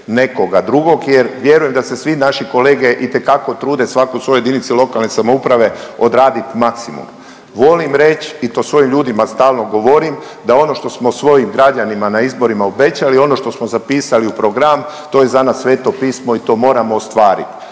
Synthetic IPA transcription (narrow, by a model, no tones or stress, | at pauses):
ne̞ko̞ɡad̪ɾuɡo̞ɡjeɾʋje̞ɾuje̞md̪ase̞sʋinaʃiko̞le̞ːɡe̞ʔit̪e̞kako̞t̪ɾuːd̪e̞sʋakousʋo̞jojed̪init̪silˠo̞kalˠnesamo̞upɾaʋe̞o̞d̪ɾaːd̪it̪maksimṵm | ʋo̞limɾe̞t͡ɕit̪o̞sʋo̞jimʎuːd̪imast̪aːlno̞ɡo̞ʋo̞ɾim | d̪ao̞no̞ʃt̪o̞smo̞sʋo̞jimɡɾad͡ʑanimanaizbo̞ɾimaobe̞t͡ɕalio̞no̞ʃt̪o̞smozapiːsaliupɾo̞ɡɾam | t̪o̞je̞zanasːʋe̞ːt̪o̞piːsmo̞it̪o̞ːmo̞ːɾamoːst̪ʋaːɾḭt̪